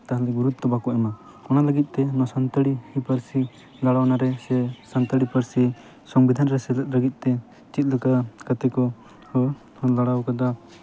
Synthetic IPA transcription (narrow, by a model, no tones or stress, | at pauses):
t̪aɦliɡuɾut̪ːɔbakɔʔɛma | ɔnaləɡit̪̚ˀt̪ɛnɔsant̪əɽihipəɾsi | ɡaɽawnaɾɛsɛsant̪əɽipəɾsi | sɔŋbid̪ʱanɾɛsɛlət̪̚ɾəɡit̪̚ˀt̪ɛ | t͡ʃit̪̚ləkakat̪ɛkɔ | hɔ | laɽawkad̪a